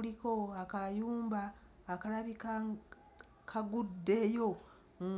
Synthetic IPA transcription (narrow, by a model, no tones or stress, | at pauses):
liko̞akajuːmbaː | kalaβik | kʰaɡudːe̞jo̞